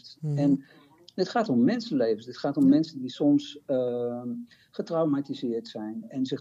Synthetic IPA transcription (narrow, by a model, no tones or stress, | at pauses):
tɛn | dətχaːtomːɛnsənlejvənsdətχaːtɔmːɛnsəndisɔms | χətrawmatizɪəɹtsɛjnɛnzɪχ